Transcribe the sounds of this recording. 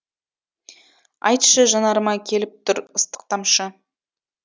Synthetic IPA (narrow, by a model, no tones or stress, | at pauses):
ɑ̰jt̪ʃəʒɑnɑɾmɑkʲʰe̞lɪp̚t̪ʰʊɾəst̪ə̥q̚t̪ɑmʃə